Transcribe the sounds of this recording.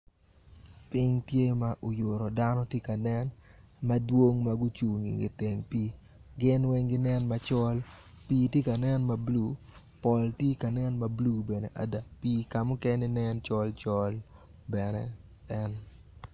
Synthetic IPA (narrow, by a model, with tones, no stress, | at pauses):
pɪ˦ŋtje˦ma˨ʔo˨jo˨ɾo˨da˦nɔ˦tje˦ka˨nɛ˦nmɐ˦dwo˦ŋmaɡʊ˦t͡ʃu˨ŋḭ˨ɡɪ̰˨te˨ŋpiː˦ | ɡɪ˦nwɛ˦ŋɡɪ˦nɛ˦nmɐ˨t͡ʃɔ˦l | piː˦tje˦ka˨nɛ˦nma˨blu˦ | pɔ˨ltje˦ka˨nɛ˦nma˨blu˦be˨ne˨ʔa̰˨da˨piː˦ka˨mʊ˦kɛ˦nɪ˦nɛ˦nt͡ʃɔ˦lt͡ʃɔ˦l | bɛ˨nɛ˦ | ɛ˦n